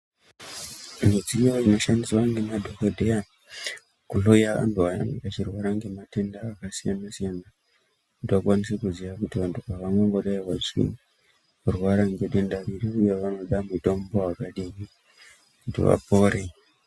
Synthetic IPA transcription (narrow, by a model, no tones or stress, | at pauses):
ned͡zijoino̞ʃandiswaŋɡe̞madʱoxedʱea | kuɬojaʔa̰nduaja̰ŋekat͡ʃirwaɾaŋɡe̞mate̞ndaːkasijanasijana | ndiakwanisekuziʋakutiʋantupaʋamweŋɡo̞ɗaiwat͡ʃḭ | rwaɾaŋɡe̞dendaɾireujeʋano̞ɗamuto̞mbowakaɗimi | kutḭʋa̰po̞ːɾe